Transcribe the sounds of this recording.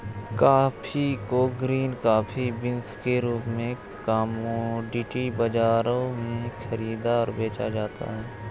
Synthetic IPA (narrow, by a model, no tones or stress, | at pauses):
kaːpʰikoɡɾiːnkaːpʰibɪnskeɾuːpmẽ | kaːmõɖiːʈibɐd͡ʒaːɾõmẽkʰɐɾiːd̪aɔːɾbeːt͡ʃa̰d͡ʒaːt̪a̰ɦɛː